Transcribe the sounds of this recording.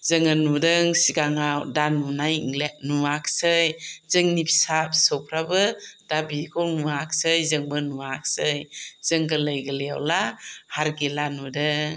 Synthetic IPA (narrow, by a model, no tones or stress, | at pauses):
zɯŋɯnudɯŋsiɡaŋawdanunajŋlenuaksɯjzɯŋnipʰsap̚sɯwpʰɾabɯdabikʰɔwnuaksɯjzɯŋbɯnuak̚sɯjz̥ɯŋɡɯlɯjɡɯleja̰wlahaɾɡilanudɯŋ